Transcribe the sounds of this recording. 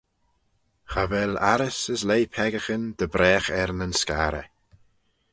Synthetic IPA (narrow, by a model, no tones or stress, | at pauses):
xavɛlaɾəsəslejpʰɛɡəxənd̪̥əbɾɛːxɛɾnənskaːɾə̰